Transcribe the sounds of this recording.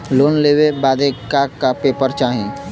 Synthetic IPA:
loːnleːwebaːd̪ekaːapeːpəɾt͡ʃaːɦẽː

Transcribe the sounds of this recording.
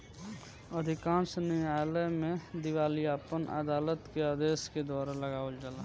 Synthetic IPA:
əd̪ʱɪkãːnsnialəmẽd̪ɪwaːliaːpənʔə̰d̪aːlət̪kead̪eːsked̪waːɾaləɡaːeld͡ʒalaː

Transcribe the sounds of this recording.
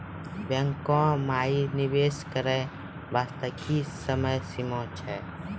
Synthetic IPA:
bjə̃ŋkɔ̃ːmaːinɪʋeːskəɾe | baːst̪əkʰisəməjsimɔ̃ːt͡ʃʰɛː

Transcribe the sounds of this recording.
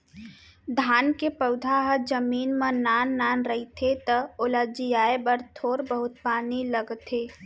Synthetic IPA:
d̪ʱaːnkepəʊd̪ʱaɦəd͡ʒəmiːnmənaːnːaːnɾəɦit̪ʰet̪əolad͡ʒijaːebəɾt̪ʰoːɾbəɦʊt̪̚paːniləɡt̪ʰeː

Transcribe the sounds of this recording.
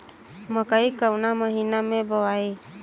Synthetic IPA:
məkəjkəwnaməɦinamẽbəwae

